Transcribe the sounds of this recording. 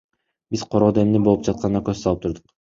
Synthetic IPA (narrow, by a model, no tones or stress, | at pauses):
biz̥qʰo̞ɾo̞ːd̪oe̞mnibolˠup̚d͡ʒɑt̪̚qʰɑnnɑakøzsɑlˠɯp̚t̪ʰuɾd̪uq